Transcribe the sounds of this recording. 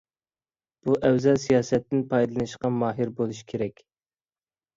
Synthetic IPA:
b̥uʔɛwzɛsijɑːsɛt̪ːɪnpʰɑjd̪ɨlˠɨnɨʃqɑmɑːɦiɾbolˠuʃkʲʰeɾɛkʲ

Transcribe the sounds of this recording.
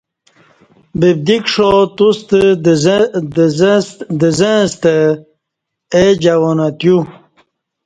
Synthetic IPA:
bib̚d̪ikʂot̪ust̪ə | d̪əzəst̪ə | ed͡ʑawonat̪ju

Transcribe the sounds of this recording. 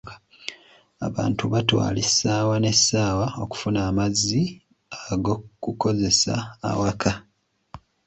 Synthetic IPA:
a̰βa̰ːntuβatwa̰ːlisaːwane̞sːaːwao̞ku̥funaːmazːi | aɡokuko̞ze̞sa̰ːwakʰa

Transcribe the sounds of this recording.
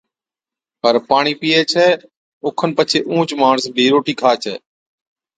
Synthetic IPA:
pəɾpaːɳiːpiːeːt͡ʃʰɛː | ʊkʰənpət͡ʃʰeːʔũːt͡ʃmaːɳəsbʱiːɾoːʈiːkʰaːt͡ʃʰɛ̰ː

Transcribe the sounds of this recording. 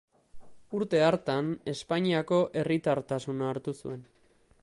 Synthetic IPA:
uɾt̪e̞aɾt̪ane̞spaɲiako̞ʔe̞rit̪aɾt̪asunaːɾt̪usṵe̞n

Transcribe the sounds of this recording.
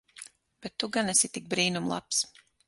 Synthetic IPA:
b̥ɛt̪ːuɡanɛsit̪ik̚bɾiːnumlˠa̰ps

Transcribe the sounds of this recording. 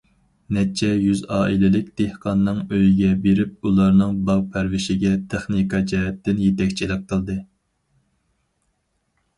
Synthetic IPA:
nɛt͡ʃʰːɛjyzɑːʔilɪlɪk̚ʲd̪̥ehqʰɑnːɨŋøjiɡʲɛbeɾɪp̚ulˠɑɾnɨŋbɑʁpʰæɾwɪʃɪɡʲɛt̪ʰeχnikʰɑd͡ʒɛɦɛt̪ːɪnjet̪ʰɛkʲt͡ʃʰilɪq̚qʰəlˠd̪ɨ

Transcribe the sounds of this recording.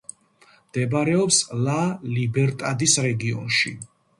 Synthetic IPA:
md̪̥ɛbaɾɛɔpslalibɛɾt̪ʼad̪isɾɛɡiɔ̰nʃḭ

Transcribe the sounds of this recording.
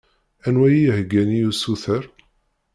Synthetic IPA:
ænwæjijhəɡːænijusuθəɾ

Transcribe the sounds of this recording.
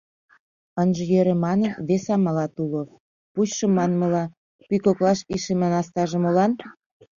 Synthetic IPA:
ənʒĕjøɾĕmɑnənβesɑmɑlɑt̪ulo | puɕʃə̆mɑnmɤ̆lɑ | pykoklɑʃiʃemenɑst̪ɑʒə̆molɑn

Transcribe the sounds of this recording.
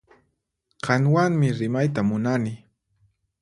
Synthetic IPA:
ɢɑnwaŋmɪɾɪmajt̪̬amʊnanɪ

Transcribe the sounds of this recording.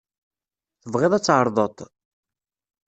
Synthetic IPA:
θəvʁɪðˤæt͡sːʕəɾˤðˤət̪ˤ

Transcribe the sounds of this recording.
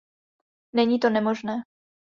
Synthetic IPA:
nɛɲiːt̪onɛmoʒnɛː

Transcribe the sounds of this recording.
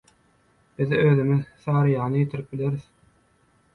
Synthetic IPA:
b̥iðøːðymiðθɑːɾɯjɑːnɯjet̪ʰiɾip̚bileɾið

